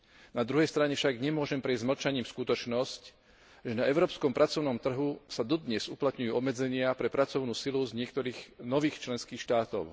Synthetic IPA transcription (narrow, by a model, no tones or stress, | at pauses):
nad̪ɾuɦɛjst̪ɾaɲɛfʃaɡɲɛmʊɔʒɛmpɾɛzzml̩t͡ʃaɲiːmskut̪ɔt͡ʃnɔsc | ʒɛnaɛʊɾɔːpskɔmpɾat͡sɔʊnɔmt̪r̩ɦusad̪ɔd̪ɲɛzuplat̪ɲujuːɔbmɛd͡zɛɲɪapɾɛpɾat͡sɔʊnuːsiluzɲɪɛk̚t̪ɔɾiːxnɔʋiːxt͡ʃlɛnskiːxʃt̪aːt̪ɔʊ